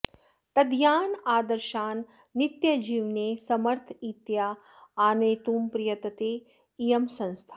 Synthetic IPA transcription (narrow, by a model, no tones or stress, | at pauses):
t̪ɐd̪ʱjaːnaːd̪ɐɾʃaːnː | it̪jɐd͡ʒiːʋneːsɐmɐɾt̪ʰit̪jaː | aːneːt̪uːmpɾɪjɐt̪ɐt̪eː | ijɐmsɐ̃nst̪ʰḁː